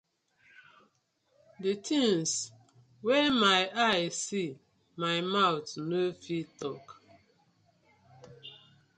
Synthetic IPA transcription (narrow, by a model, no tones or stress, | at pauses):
detʰĩŋs | wɛmaɪʔajsi | maɪmaʊtnofitɔk